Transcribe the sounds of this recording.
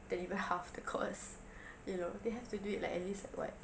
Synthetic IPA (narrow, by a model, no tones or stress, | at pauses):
d̥ɛ̃nivə̃nhafdəkʰɔ̰s | junodeɦɛftuduit̚la̰kɛ̰tlislakwɔ̰t̚